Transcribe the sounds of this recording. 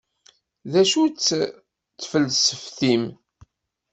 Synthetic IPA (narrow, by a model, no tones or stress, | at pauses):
ðæʃut͡sː | t͡sːfəlsəfθim